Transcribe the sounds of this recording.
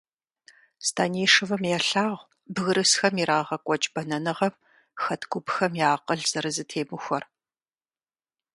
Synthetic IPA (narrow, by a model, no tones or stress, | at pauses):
stʰaːneːʂɨvɨmjɛɬaːʁʷ | bɣɨɾɨsxɐmiɾaːʁɐkʷʼɔt͡ʃʼbɐnɐnɨʁɐm | xɐtʰɡʷʊbxɐmjaːqəɮz̥ɐɾɨzɨtʰeːmɨxʷɐr